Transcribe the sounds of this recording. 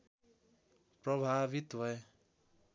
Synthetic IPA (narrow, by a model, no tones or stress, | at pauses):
prʌbʱabit̪bʱʌe